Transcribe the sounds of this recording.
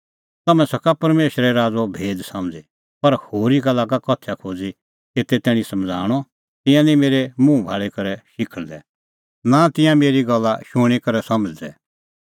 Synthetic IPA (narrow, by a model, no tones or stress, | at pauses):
t̪ɐmɛ̃sɐkapɐɾmeːʃɾɛɾaːd͡zɔbʱeːd̪sɐ̃md͡zi | pɐɾhoːɾikalaːɡakɔt̪ʰjakʰoːd͡zi | eːt̪ɛt̪ɛːɽ̃ĩsɐmd͡zʱa̰ːɽ̃ɔ | t̪ɪ̃jãnĩmeːɾɛmũbʱaːɭɛkɐɾɛʃɪkʰəɭd̪ɛ | nat̪ɪ̃jãmeːɾiɡɐlːaʃʊɽ̃ikɐɾɛsɐmd͡zd̪ɛ